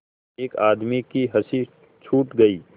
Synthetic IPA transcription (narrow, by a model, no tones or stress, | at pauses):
eːkaːd̪mikiɦɐsi | t͡ʃʰuːʈɡɐiː